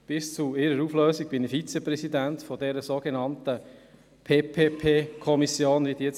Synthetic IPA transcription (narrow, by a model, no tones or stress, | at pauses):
b̥ɪst͡suɪɾəɾufløːsiɡ̚b̥ɪnifit͡sɛprɛsidæntfɔdɛɾəsoːɡenɑnt̪ə | pʰeːpʰeːpʰeːkʰɔmisjoːnʋidit͡s